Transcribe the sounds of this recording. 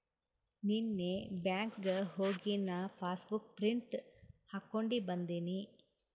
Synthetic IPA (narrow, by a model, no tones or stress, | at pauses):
ninːebjaːŋkɡɦoːɡinɐpʰaːsbukpɾiɳʈhaːkːoɳɖibɐnd̪ini